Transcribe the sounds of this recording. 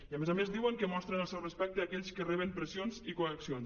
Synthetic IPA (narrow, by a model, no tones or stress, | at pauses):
iamezamezðiwəŋkəmɔst̪ɾənəlˠsɛwrəspɛk̚t̪əakɛʎskərɛβempɾəsionzikuəksion